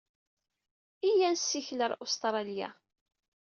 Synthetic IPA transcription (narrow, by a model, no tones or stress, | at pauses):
ijænsːiçləɾˤost̪ɾˤɑljæ̰